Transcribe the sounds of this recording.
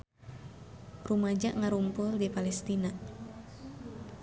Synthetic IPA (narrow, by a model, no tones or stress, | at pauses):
rumad͡ʒaʔŋaɾumpʊldipalɛst̪ina